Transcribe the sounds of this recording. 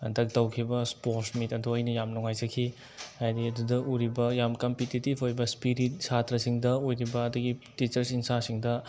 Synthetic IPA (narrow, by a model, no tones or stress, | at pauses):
ɐ̰dɐk̚tɐwkʰibɐspoɾsmitɐdoɐjnɐjamnuŋajzɐkʰːi | hajdiɐdudɐʔuɾibɐjamkɐmpititibʰojbɐspiɾit̚satɾɐsiŋdɐojɾibɐːduɡitit͡ʃɐɾsinsasiŋdɐ